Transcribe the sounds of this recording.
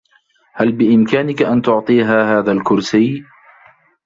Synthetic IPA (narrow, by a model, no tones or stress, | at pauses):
halbɪʔɪmkaːnɪkaʔant̪ʊʕt̪ˤiːɦaːhaːðalkʊɾsiː